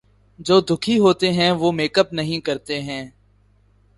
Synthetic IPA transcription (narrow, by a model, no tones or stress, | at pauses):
d͡ʒoːd̪ʱʊkʰiɦoːt̪eɦɛ̃ːʋoːmeːkəp̚nɐɦĩkəɾt̪eɦɛ̃ː